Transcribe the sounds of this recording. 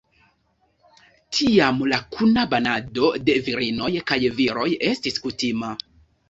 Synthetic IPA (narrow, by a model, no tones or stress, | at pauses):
tʰiamlakʰunabanado̞de̞viɾino̞jkajviɾo̞je̞stiskutima